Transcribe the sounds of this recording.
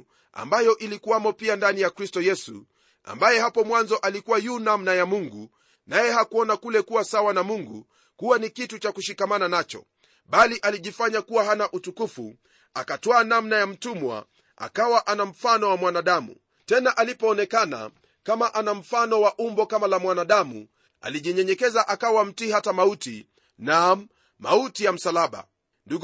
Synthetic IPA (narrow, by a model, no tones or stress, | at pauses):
a̰mbajɔʔilikuwamɔpiandanijakɾistɔjɛsṵ | a̰mbajɛhapɔmwanzɔʔalikuwajunamnajamuŋɡu | najɛɦakuɔnakulɛkuwasawanamuŋɡu | kuwanikitut͡ʃakuʃikamananat͡ʃɔ̰ | ɓaliʔaliʄifaɲakuwaɦanaʔutukufṵ | akatwaːnamnajam̩tumwa̰ | a̰kawaʔanam̩fanɔwamwanaɗamṵ | tɛnaʔalipɔːnɛkana̰ | kamaʔanam̩fanɔwaʔumbɔkamalamwanaɗamṵ | a̰liʄiɲɛɲɛkɛzaʔakawam̩tihatamauti | na | mautijam̩salaɓa̰ | ndu